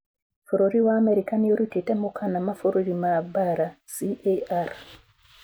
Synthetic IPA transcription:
foɾoɾiwaːmɛɾikanioɾutetɛmokanamafoɾuɾimabaɾasiʔeaɾ

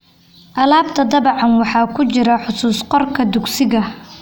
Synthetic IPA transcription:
ʔɐlaːbt̪ʰɐd̪ɐbɑʕɑnwɑħɑːkʰʊt͡ʃɪɾɐħʊsuːsqɔrkʰɐd̪ʊɡsɪɣɐ

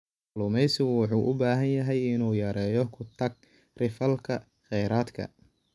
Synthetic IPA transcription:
lʊmɛjsɪɣʊwɑħuːʔʊbaːɦɐnjɐɦɛjɪnuːjɐɾɛːjɔkʰʊt̪ʰɐɡ̚ | rɪfɐlkʰɐ | χɛjɾaːd̪kʰɐ̰

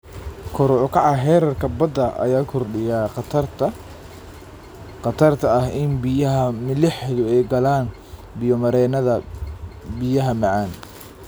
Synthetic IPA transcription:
kʰɔɾʕʊkʰɑʕɑɦɛːɾɐrkʰɐbɐd̪ɐʔɐ̰jaːkʰʊrɗɪjaːqt̪ʰɐrt̪ | qɑt̪ʰɐrt̪ʰɐɐhɪnbɪjɐɦɐmɪlɪħðʊɛjɡɐlaːn | bɪjɔmɐɾɛːnɐðɐ | bɪjɐɦɐmɑʕɑːn

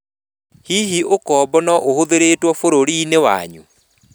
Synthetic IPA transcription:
hiɦiokɔbɔnɔʔohoðeɾetwɔfoɾoɾinewa̰ɲṵ

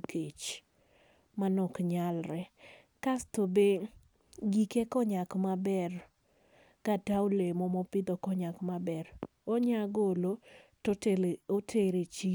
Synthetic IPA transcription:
ket͡ʃ | manɔkɲalɾɛ | kastobe | ɡikekɔɲakmabɛr | kataolemomopɪd̪ɔkɔɲakmabɛɾ | oɲaɡolototelotʰeɾet͡ʃi

